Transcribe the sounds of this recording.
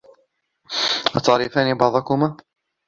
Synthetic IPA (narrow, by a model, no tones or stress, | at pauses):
ʔɑt̪ɑʕɾifaːnibɑʕðˤɑkʊma